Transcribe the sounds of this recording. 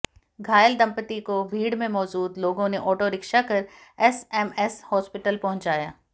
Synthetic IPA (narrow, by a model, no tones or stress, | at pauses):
ɡʱaːjəld̪ɐ̃mpət̪ikobʱiːɽmẽmɔːd͡ʒuːd̪loːɡõneʔɔːʈoɾɪkʃakɐɾɛsɛmɛshɔːspɪʈəlpɐɦʊ̃ɲt͡ʃaːjaː